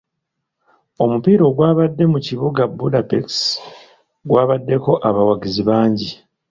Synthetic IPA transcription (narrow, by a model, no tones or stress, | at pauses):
o̞mupiːɾo̞ɡwaːβadːe̞muciβuɡabudapeks | ɡwaːβadːe̞ko̞ʔaβawaɡiziβaːɲɟi